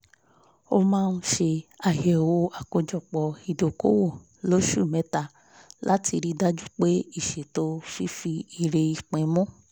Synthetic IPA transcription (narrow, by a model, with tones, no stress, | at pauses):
o˧mãː˦˧nu˧˦ʃe˧a˨jɛ˨wo˧a˨ko˧d͡ʒɔ˨k͡pɔ˨i˨do˨ko˦wo˦˨ | lo˦ʃu˦˨mɛ˨˦ta˧ | la˦ti˧ɾi˧da˦d͡ʒu˦k͡pe˦i˦˨ʃe˨to˧fi˦fi˧i˧ɾe˧i˧k͡pẽ˨˦mɔ̃˦